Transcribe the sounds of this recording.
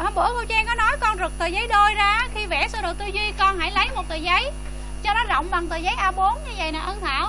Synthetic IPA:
ha˧ɓə˧˩əko˧t͡ɕɛ˧ŋkɔ˨˦nɔ˨˦jkɔ˧nzɨ˨˩k̚t̪əː˨˩jzə˨˦jɗo˧jzaː˧˦xi˧vɛ̰˧˩sa˧zo˨˩t̪ɨ˧zwi˧kɔ˧nɦa̰˧˥jlə˨˦jmo˨˩t̚t̪əː˨˩jzə˨˦j | t͡ɕɔ˧ɗɔ˨˦zə̰˧˨wŋ͡mɓa˨˩ŋt̪əː˨˩jzə˨˦jʔaː˧ɓo˨˦ənɲɨ˧və̰˧˨jnaː˨˩ʔə˧nt̪ʰa̰ː˧˨w

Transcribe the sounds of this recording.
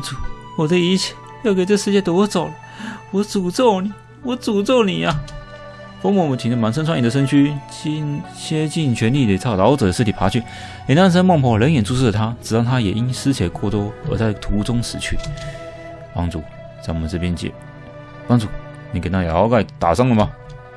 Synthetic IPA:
u˨˩wɔ˨˩də˧i˧˥t͡ɕʰɛ̥˥˩ | jo˥˩ke˨˩ɪt͡sə˥˧ʂɻ̩˧t͡ɕjɛ˥˩t̪wwɔ˥˩t͡so˨˩ʊlə˦ | wɔ˨˧˥t͡su˨˩t͡so˥˩ʊni˨˩ | wɔ˧˥t͡su˨˩t͡so˥˩ʊni˨˩a˧ | fɔ˥mɔ˨˩mə˨˩t̪ʰi˨˩ŋd̪ə˧ma˧˥nsə˥nsʰa˥ni˨˩d̪ə˧ʂ̬ə˥nt͡ɕʰy˥˧ | t͡ɕʰjɛ˥t͡ɕi˥˩nt͡ɕʰɥɛ˧˥nli˥˩d̪ə˨˩t͡sʰɑ˥˩ʊlɑ˧˥ʊt͡sɤ˨˩də˦ʂɻ̩ʰ˥˩i˨˩pʰa˧˥t͡ɕʰy˥˩ | jɛ˨˩na˥˩nʂ̬ʰə˥nmwɑ˥˧ŋpʰɔ˧˥lə˧˥njɛ˨˩nt͡su˥˧ʂ̩˥˩ə˨t̪ʰa˥t͡sɻ̩˨˩t̪ɑ˥˩t̪ʰa˥jɛ˨˩ʔi˦˥nsɹ̩˥t͡ɕʰɛ˨˩kʰɔ˥˧t̪wɔ˥˩ə̰˧˥t͡sa˥˩ɪt̪ʰu˨˧˥t͡sʊ˥ŋʂɻ̩˨˩t͡ɕʰy̰˥˩ | pɑ̰˥ŋt͡sṵ˥˩ | t͡sa˥˩ɪwɔ˨˩mə˨˦nt͡sɤ˥˩pjɛ˥nt͡ɕjɛ̰˨˩ | pɑ˥ŋt͡su˥˩ | ni˨˥ke˨˩na˥˩ja˨˩ɑ˥˧ka˥˩ɪt̪a̰˨˩sɑ˥˩ŋlə˨ma˨

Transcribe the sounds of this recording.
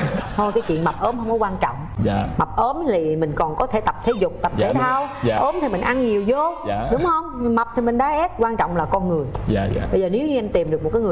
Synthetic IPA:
o˧jka˨˦jt͡ɕwḭ˧˨ənma˨˩p̚ʔəː˨˦mhə˧wŋ͡mkɔ˨˦kwaː˧nt͡ɕɔ̰˧˨wŋ͡mma˨˩p̚ʔəː˨˦mt̪ʰi˨˩mï˨˩ŋ̟kɔ˨˩nkɔ˨˦t̪ʰe˧˩˦t̪ə˨˩p̚t̪ʰe˨˦zʊ˨˩k͡p̚t̪ə˨˩p̚t̪ʰe˨˧˦t̪ʰaː˧wʔəː˨˦mt̪ʰi˨˩mï˨˩ŋ̟ʔa˧nɲi˨˩əwzo˧˨ɗʊ˨˦ŋ͡mhə˧wŋ͡mma˨˩p̚t̪ʰi˨˩mï˨˩ŋ̟ɗa̰ː˧˦ʔɛ˦˥p̚kwaː˧nt͡ɕɔ̰˧˨wŋ͡mlaː˨˩kɔ˧nŋɨ˨˩əjɓə˧jzəː˨˩ne˨˦wɲɨ˧ʔɛ˧mt̪i˨˩mɗɨ˨˩k̚mo˨˩t̚kːaː˨˦ŋɨ˨˩

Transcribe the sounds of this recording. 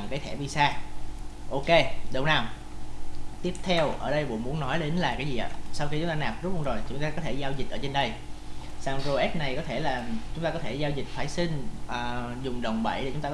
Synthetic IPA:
kaː˨˦t̪ʰɛ˧˩ɓi˧˩saː˧ | ʔo˧ke˧ɗə˨˧˩wnaː˨˩wm | t̪i˦˥əp̚t̪ʰɛ˧wʔəː˧˩ɗə˧jɓo̰˧˨nmu˨˦˥ənːɔ˨˦jɗe˨˦nlaː˨˩kaː˨˦jzi˨˩ʔa̰ː˧˨saː˧wxi˧t͡ɕʊ˨˦ŋ͡mt̪aː˧naː˨˩p̚zʊ˦˥t̚ho˧ŋ͡mzo˨˩jt͡ɕʊ˨˦ŋ͡mt̪aː˧kɔ˨˦t̪ʰe˧˩zaː˧wzï˨˩t̚ʔəː˧˦t͡ɕe˧nɗə˧j | saː˧wŋ͡mzo˧ʔɛ˦˥p̚na˨˩jkɔ˨˦t̪ʰe˧˩laː˨˩t͡ɕʊ˦ŋ͡mt̪aː˧kɔ˨˦t̪ʰe˧˩zaː˧wzï˨˩k̟̚faː˧˩jsi˧ŋ̟ʔəː˨˩zʊ˨˩ŋ͡mɗə˨˩wŋ͡mɓə̰˧˩jɗe˧˩t͡ɕʊ˨˦ŋ͡mt̪aː˧

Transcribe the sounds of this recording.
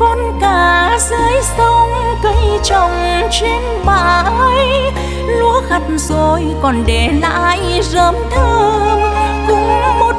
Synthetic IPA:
kɔ˧nkaː˧˩zəː˨˦jsə˧wŋ͡mkə˧jt͡ɕə˨˩wŋ͡mt͡ɕe˧n | ɓaː˧˩ə˧j | lu˧˥əxa˨˩t̚zo˧jkɔ˨˩nɗe˧˩la̰ː˧jzəː˨˦mt̪ʰəː˧ | kʊ˨˧˦ŋ͡mmo˨˩t̚

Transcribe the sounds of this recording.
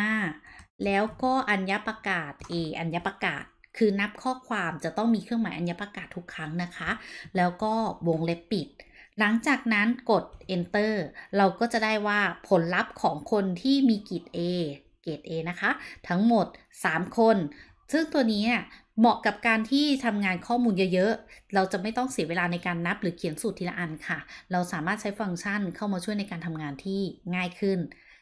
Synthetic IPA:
aː˥˩lɛː˦˥wkɔː˥˩ʔa˧nja˦˥pa˧kaː˨˩t̪̚ʔeː˧ʔa˧nja˦˥pa˧ka̰ː˨˩t̪̚kʰɯː˧na˦˥p̚kʰɔː˥˩kʰwaː˧mt͡ɕa˨˩t̪ɔ˥˩ŋmiː˧kʰɯ˥˩əŋmaː˨˩˦ʔa˧nja˦˥pɾa˧kaː˨˩t̪ʰːu˦˥kʰːɾa˦˥ŋna˦˥kʰa˦˥ʔlɛː˦˥wkɔː˥˩wo˧ŋle˦˥pːi˨˩t̪̚ | la˩˦ŋt͡ɕaː˨˩k̚na˦˥nko˨˩t̪̚ʔe˧nt̪ɤː˥˩ɾa˧wkɔː˥˩t͡ɕa˨˩da˥˩jwaː˥˩pʰo˩˦nla˦˥p̚kʰɔː˩˦ŋkʰo˧nt̪ʰiː˥˩miː˧ki˨˩t̪̚ʔeː˧ | ke˨˩t̪̚ʔeː˧na˦˥kʰa˦˥ʔt̪ʰa˦˥ŋmo˨˩t̪̚ | saː˩˦mkʰo˧n | sɯ˥˩ŋt̪u˧əniː˦˥ʔa˧˥˩ | mɔ˨˩ka˨˩p̚kaː˧nt̪ʰiː˥˩t̪ʰa˧mŋaː˧nkʰɔː˥˩muː˧njə˦˥˩jɤ˦˥ʔɾa˧wt͡ɕa˨˩ma˥˩jt̪ɔ˥˩ŋsi˨˩˦weː˧laː˧na˧jkaː˧nːa˦˥p̚ɾɯː˩˦kʰi˨˩˦əŋsu˨˩t̪ʰːiː˧˩la̰˧ʔa˧nkʰa˥˩ɾa˧wsaː˨˩˦maː˥˩t̪̚t͡ɕʰjfa˧ŋt͡ɕʰa˥˩nkʰa˥˩wmaː˧t͡ɕʰu˥˩jna˧jkaː˧nt̪ʰa˧mŋaː˧nt̪ʰiː˥˩ŋaː˥˩jkʰɯ˥˩n

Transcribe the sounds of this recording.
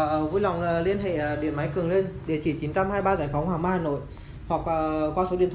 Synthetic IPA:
vu˧jla˨˩wŋ͡mli˧ənɦḛ˧˨ə˨˩ɗḭ˧˨ənma˨˦jkɨ˨˩əŋle˧nɗe˧˩t͡ɕi˧˩t͡ɕi˨˦nt͡ɕa˧mhaː˧jɓaː˧zaː˧˩jfɔ˨˦wŋ͡mhwaː˨˩maː˧haː˨˩no̰˧˨j | hwa˨˩k̚ʔəː˨˩kwaː˧so˨˦i˧˨ət̪ʰ

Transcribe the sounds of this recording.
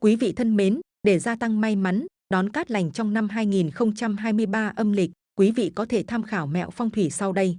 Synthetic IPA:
kwi˨˦vḭ˧˨t̪ʰə˧nme˨˦n | ɗe˧˩zaː˧t̪a˧ŋma˧jma˨˦n | ɗɔ˨˦nkaː˦˥k̚la˨˩jŋ̟t͡ɕɔ˧wŋ͡mna˧mɦaː˧jŋi˨˩nxə˧wŋ͡mt͡ɕa˧mɦaː˧jmɨ˧əjɓaː˧ʔə˧mlï˨˩k̟̚kwi˨˦vḭ˧˨kɔ˨˦t̪ʰe˧˩t̪ʰaː˧mxaː˧˩wmɛ̰˧˨wfɔ˧wŋ͡mt̪ʰwi˧˩sa˧wɗə˧j

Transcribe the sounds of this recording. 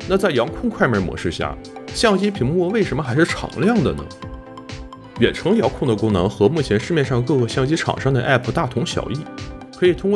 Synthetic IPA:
na˥˧t͡sa˥˩ɪjɑ˧˥ŋkʰʊ˥˧ŋkʰwa˥˩ɪmə˞˧˥mwɔ̰˧˥ʂɻ̩˥˧ɕja̰˥˩ | ɕjɑ˥˩ŋt͡ɕi˥pʰi˧˥ŋmwɔ˥˧we˥˩ɪʂə˧˥nmə˧xa˧˥ɪʂɻ̩˥˩ʈ͡ʂʰɑ̰˨˩˦ŋljɑ˥˩ŋd̪ə̰˩nə̰˩ | ɥɛ˨˩nʈ͡ʂʰɤ˧˥ŋjɑ˧˥kʰʊ˥˩ŋd̪ə˩kʊ˥ŋnɤ̰˧˥ŋxɤ˧˥mu˥˩t͡ɕʰjɛ˧˥nʂɻ̩˥˧mjɛ˥˧nʂɑ˥˧ŋkɤ˥˧kɤ˥˧˩ɕjɑ˥˩ŋt͡ɕi˥ʈ͡ʂʰɑ̰˨˩ŋʂɑ˥ŋd̪ə̰˨ʔɛ˥˩pʰt̪a˥˩t̪ʰʊ˧˥ŋɕjɑ̰˨˩ʊi˥˩kʰɤ˧˥i˨˩t̪ʰʊ˥ŋkw

